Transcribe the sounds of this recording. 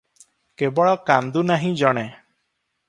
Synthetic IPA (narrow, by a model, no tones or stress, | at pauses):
kebɔɭɔkand̪unaɦĩd͡ʒɔɽ̃ɛ